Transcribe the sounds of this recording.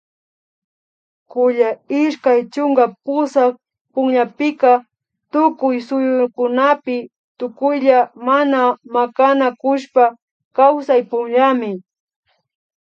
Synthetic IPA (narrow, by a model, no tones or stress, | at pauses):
kʊʎaɪʃkajt͡ʃʊŋɡapʊsak̚ | pʊŋʎapɪka | t̪ʊkʊjsʊjʊkʊnapɪ | t̪ʊkʊjʎamanamakanakʊʃpa | kawsajpʊŋʎamɪ